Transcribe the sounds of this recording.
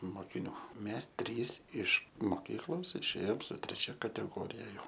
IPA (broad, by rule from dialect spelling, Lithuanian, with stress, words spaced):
moːkʲɪˈnʲuː ˈmʲɛs ˈtʲrʲiːs ɪʃ moːˈkʲiːklˠoːs ɪʃʲˈeːjoːm sʊ tʲrʲɛˈt͡ʃʲɛ kɐtʲɛˈɡoːrʲɪjɛ ˈjɛʊ